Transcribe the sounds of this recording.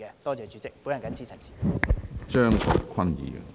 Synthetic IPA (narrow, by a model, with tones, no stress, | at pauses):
a˨˧˩t̪ɔː˥˧˩t͡ɕɛː˨˩t͡ɕy˨˧˥t͡sɪ˥˧k̚pu˨˥˦ja˨˩ŋka˨˧˥nt͡ɕʰiː˥sʰa˨˩nt͡ɕʰi̥ː˨t͡sœ˥˧˩ŋkʰɔ̰˨˩kʰa˥˨nḭ˨˦˨